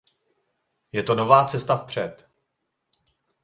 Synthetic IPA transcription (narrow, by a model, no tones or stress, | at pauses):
jɛt̪o̞no̞vaːt͡sɛst̪afpr̝̥ɛt̪